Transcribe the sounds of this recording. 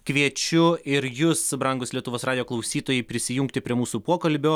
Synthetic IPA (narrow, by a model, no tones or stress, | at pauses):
kʋʲiɛt͡ʃʲʊɪɾjʊsbɾɐŋɡʊslʲiɛt̪ʊʋoːsɾɑːd̪ʲjoːklˠɐʊsʲiːt̪oːjɛɪpʲɾʲɪsʲɪjʊŋkt̪ʲɪpʲɾʲiɛmuːsuːpuɔkɐlʲbʲoː